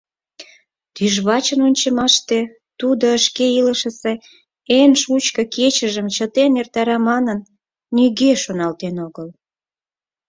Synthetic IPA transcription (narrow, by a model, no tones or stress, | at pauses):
t̪yʒβɑt͡ɕənonʲt͡ɕə̆mɑʃt̪e | t̪ud̪oəʃkeiləʃəse | enʃut͡ɕkə̆kʰet͡ɕəʒəmt͡ɕət̪enert̪ɑɾɑmɑnənː | yɣeʃonɑlt̪enoɣəl